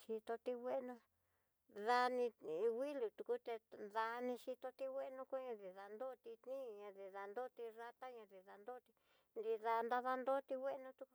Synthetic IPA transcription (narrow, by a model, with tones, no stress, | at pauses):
ʃi˧t̪o˧t̪i˧wʷe˦nũ˧ | ða˧nĩ˧wi˦lu˨t̪u˧ku˦t̪e˧ða˧nĩ˧ʃi˧t̪o˧t̪i˧wʷe˦˧nũ˧ku˦ɲã˧ði˧ða˨nd̪o˦˧t̪i˧t̪nĩ˦˨ɲã˧ði˧ða˨nd̪o˦t̪i˧ra˧t̪a˦ɲã˧ði˧ða˧nd̪o˦t̪i˧ | nd̪i˧ða˧nd̪a˧ða˧nd̪o˦t̪i˧wʷe˦˧nũ˧t̪u˧ku˧